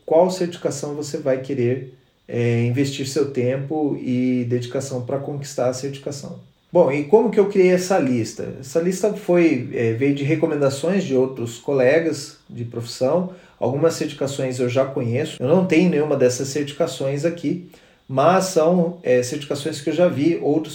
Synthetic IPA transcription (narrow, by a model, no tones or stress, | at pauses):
kwawseɾt͡ʃifi̥kasɐ̃w̃vosevajkeɾeɾ | ɛĩvest͡ʃiɾsewt̪ẽpʊɪd̪ed͡ʒikasɐ̃w̃pɾɐkõki̥st̪aɾɐseɾt͡ʃi̥kasɐ̰̃w̃ | bõw̃ɪkõmʊkɪewkɾiejɛsɐlist̪ɐ̰ɛ̰sɐlist̪ɐfojɛvejʊd͡ʒɪɦekomẽnd̪asõj̃zd͡ʒɪowt̪ɾʊskolɛɡɐz | d͡ʒɪpɾofi̥sɐ̃w̃ | a̰wɡũmɐsːeɾt͡ʃifi̥kasõj̃zewʒakõɲesʊ̥ewnɐ̃w̃t̪ẽɲʊnẽj̃ɲ̃ũmɐd̪ɛsɐsːeɾt͡ʃifi̥kasõj̃zaki | mɐsːɐ̃w̃ɛseɾt͡ʃifikasõj̃skɪewʒaviowt̪ɾʊ